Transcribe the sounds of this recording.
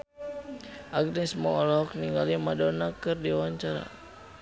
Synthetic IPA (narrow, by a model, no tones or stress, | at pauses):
ʔaɡ̚nɛsmɔɔlɔk̚niŋɡalimadɔnakɨrdiwaɲt͡ʃaɾa̰